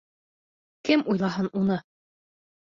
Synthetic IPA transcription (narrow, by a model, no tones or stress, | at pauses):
kɘmujlˠɑɦɤnunɤ